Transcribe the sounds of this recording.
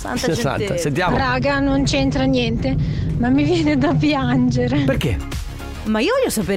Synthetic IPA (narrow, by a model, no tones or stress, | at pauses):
ssa̰t̪ːasent̪jaːmɾaɡanont͡ʃent̪ɾanjɛnt̪emamːivjɛːned̪apjand͡ʒeɾeperke | maiːovɔʎːosapeː